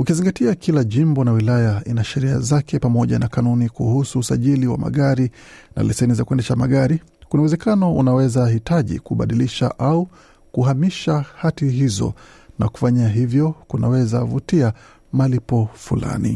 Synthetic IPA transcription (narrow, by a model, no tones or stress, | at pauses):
ukiziŋɡatiakʰilaʄimbɔnawilajainaʃɛɾia̰zakɛpamɔʄa̰nakanunikuhusuːsaʄiliwa̰ma̰ɠaɾi | na̰lɛsɛnizakuɛndɛʃamaɠaɾi | kunawɛzɛkanɔṵnawɛzahitaʄḭkuɓaɗiliʃa̰ʔau | kuhamiʃahatiɦizɔ̰ | na̰ku̥faɲaɦivjɔkunawɛzavutia | malipɔfula̰nḭ